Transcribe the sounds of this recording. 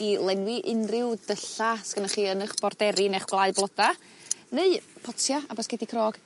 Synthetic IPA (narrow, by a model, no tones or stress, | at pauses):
ilˠɛnwɪʔɪnrɪwdəɬaskənaχiːənəχb̥ɔrdɛɾinɛχɡ̥lˠaɨblˠɔd̥a | neɨpʰɔtʰjaabɔsɡ̥ɛdikʰroːɡ̥